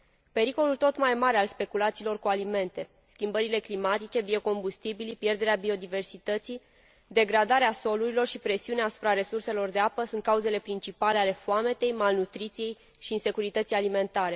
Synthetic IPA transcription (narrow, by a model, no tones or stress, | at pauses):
pe̞ɾiko̞lult̪o̞t̪majmaɾealspe̞kulat̪siːlo̞rkualime̞nt̪e̞ | skʲimbəɾile̞klimat̪it͡ʃe̞bio̞ko̞mbust̪ibilipje̞rd̪e̞ɾeabio̞d̪ive̞rsit̪ət̪si | d̪e̞ɡɾad̪aɾeaso̞luɾilo̞rʃipɾe̞siuneaːsu̥pɾaɾe̞surse̞lo̞rd̪e̞apəsunt̪kauze̞le̞pɾint͡ʃipale̞ale̞foame̞t̪e̞jmalnut̪ɾit̪sije̞j | ʃiːnse̞kuɾit̪ət̪sialime̞nt̪aɾe̞